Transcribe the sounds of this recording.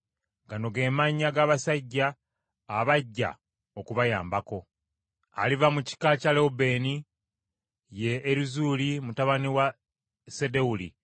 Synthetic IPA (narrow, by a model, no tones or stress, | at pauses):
ɡano̞ɡe̞ːmaɲːaɡaβasaɟːaː | βaɟːa̰ | okuβaja̰ːmbako̞ | a̰livamuci̥kacaleube̞ni | je̞ːɾuzulimutaβaniwa | sede̞ulḭ